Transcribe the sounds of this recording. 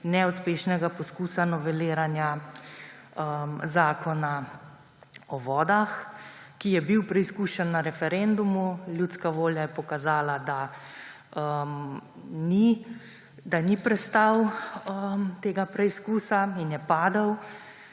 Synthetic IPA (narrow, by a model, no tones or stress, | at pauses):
nɛuspeːʃnɛɡapɔskuːsanɔʋɛleːɾanja | əmzaːkɔna | ɔʋɔːd̪axkijɛbiwpɾɛiskuːʃɛnːaɾɛfɛɾend̪umuljut̪skaʋoːljajɛpɔkazaːlad̪a | əm | ni | d̪anipɾɛst̪awəmt̪eːɡapɾɛiskuːsainjɛpaːd̪ɐw